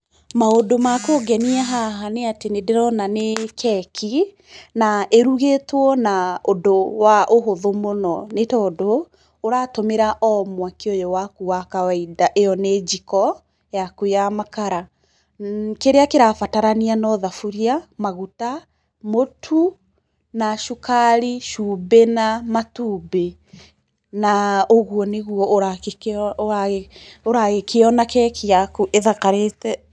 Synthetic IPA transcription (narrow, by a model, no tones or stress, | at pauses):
maodomakoɡɛniɛɦaɦaneatenedeɾɔnanekʰɛkʰi | naʔeɾuɣetwɔnaodowaʔoɦoðomonɔnetɔdoː | ɾaːtomeɾaʔɔmwakeojɔwakuakawaidaʔejɔned͡ʒikɔ | jakujamakaɾa | keɾeakeɾafataɾanianɔðafuɾiamaɣuta | motʰu | naʃukaɾiʃubenamatube | naoɣuɔneɣuɔʔoɾaekaoɾaɣekʰeɔnakɛkeakuʔeðakaɾetɛ